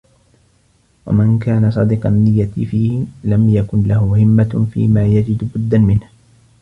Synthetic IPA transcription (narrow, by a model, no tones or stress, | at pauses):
wa̰mankaːnasˤɑd̪ɪqɑnːɪjːat̪ɪfiːhɪlamjakʊnlahʊhɪmːafḭːmaːjad͡ʒɪd̪bʊd̪ːanmɪnh